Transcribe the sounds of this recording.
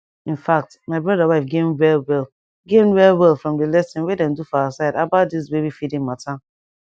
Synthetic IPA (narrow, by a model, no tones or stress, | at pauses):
ĩnfak̚tmaɪbɹɔdawaɪfɡẽmwɛlwɛlˠ | ɡẽnwɛlwɛlˠfɹɔ̃mdəlɛsĩnwedɛ̃ndufaasaɪdabat̚dis̬bebifidĩŋmatʰa